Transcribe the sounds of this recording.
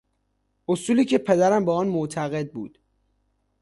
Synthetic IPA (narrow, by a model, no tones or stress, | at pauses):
ʔosuːliːcʰe̞pʰe̞d̪æɾæmbeɒːnmot̪ʰæɣed̪̚bṵːd̪̥